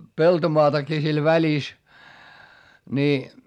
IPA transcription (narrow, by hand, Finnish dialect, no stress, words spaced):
peltomoɑtɑkiː sil ʋælis ni